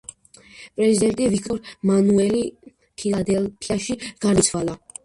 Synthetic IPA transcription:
pʼɾɛzid̪ɛnt̪ʼivikʰt̪ʼɔɾmanuɛli | pʰilˠad̪ɛlpʰiaʃiɡ̥aɾit̪sʰwalˠa

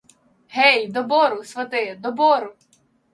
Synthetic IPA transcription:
ɦɛjd̪ɔbɔɾʊsʋɐt̪ɪd̪ɔbɔɾʊ

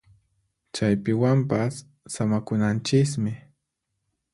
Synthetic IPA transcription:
t͡ʃajpɪwampasː | amakʊnant͡ʃɪs̬mɪ

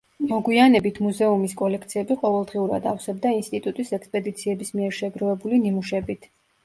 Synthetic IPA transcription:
mɔɡwianɛbit̪ʰmuzɛumiskʼɔlɛkʰt̪sʰiɛbiqʼɔvɛlˠd̪ʁiuɾa̰d̪afsɛbd̪ainst̪ʼit̪ʼut̪ʼisɛkspʼɛd̪it̪sʰiɛbismiɛɾʃɛɡɾɔɛbulinimuʃɛbit̪ʰ

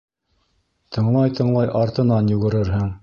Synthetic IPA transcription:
t̪ʰɤ̆ɴlˠɑjt̪ʰɤ̆ɴlˠɑjʔɑɾt̪ɤ̆nɑnjʉɡɘ̆ɾɘɾɦɘŋ

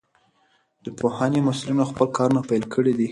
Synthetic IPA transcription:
d̪̥əpohanemʊslinoxpəlkɑɾunapajlkʰəɽid̪i

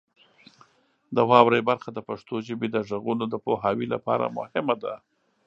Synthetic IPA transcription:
d̪əwɑwɾajbaɾxad̪əpaʂt̪oʒəbed̪əʒəɣunod̪əpoɦɑwila̰pɑ̰ɾa̰mʊ̰hɪmad̪a̰

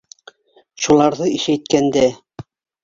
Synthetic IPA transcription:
ʃulˠɑɾðɤiʃæjt̪̚kænd̪æ

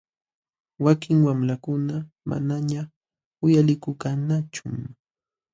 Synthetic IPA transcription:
wakɪŋwamɾakʊna | ma̰naɲa | ʊjalɪkʊkanat͡ʃʊ

